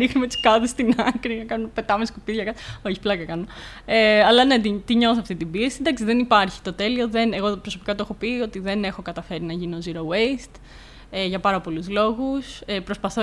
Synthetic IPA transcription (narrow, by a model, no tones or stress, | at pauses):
nixnumet̪i̥skɐðest̪inɐkɾinɐkɐnumepe̞t̪ɐmeskupiðʝɐkɐt̪o̞çiplɐkɐkɐno | eɐlɐne̞t̪it̪iɲo̞θoɐft̪it̪ibiesind̪ɐksiðe̞nipɐɾçi̥t̪o̞t̪e̞lio̞ðe̞neɣo̞pɾosopikɐt̪oexo̞pio̞t̪iðe̞ne̞xo̞kɐt̪ɐfe̞ɾinɐʝinioziɾoweist̪ | eʝɐpɐɾɐpo̞luzlo̞ɣusepɾo̞spɐθo